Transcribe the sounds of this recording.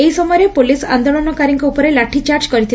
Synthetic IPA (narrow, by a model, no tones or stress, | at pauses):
eisɔmɔjɾepolisa̰nd̪oɭɔnɔkaɾiŋkɔupɔɾelaʈʰit͡ʃaɾt͡ʃkɔɾit̪ʰi